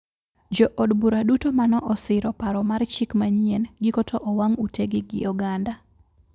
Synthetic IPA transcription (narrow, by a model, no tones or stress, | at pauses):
d͡ʒɔʔɔdbuɾadutomanɔʔɔsɪɾɔpaɾɔmart͡ʃɪkmaɲienɡɪkotʰoʔɔwaŋuteɡɪɡɪ̰ɔɡanda